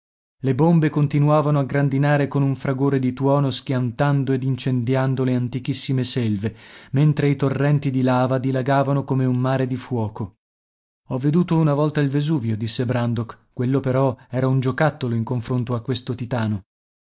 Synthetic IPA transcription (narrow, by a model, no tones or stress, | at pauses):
lebombekont̪inuaːvanoaɡɾand̪inaːɾekonuɱfɾaɡoːɾed̪it̪wɔːnoskjant̪and̪oed̪int͡ʃend̪jand̪oleant̪ik̟isːimeselvement̪ɾeit̪orːɛnt̪id̪ilaːvad̪ilaɡaːvanokomeummaːɾed̪ifwɔːko | ɔvːed̪uːt̪ounavɔlt̪ailvezuːvjod̪isːebɾand̪okːwelːopeɾɔɛːɾaund͡ʒokat̪ːoloiŋkoɱfɾont̪oakːwest̪ot̪it̪aːno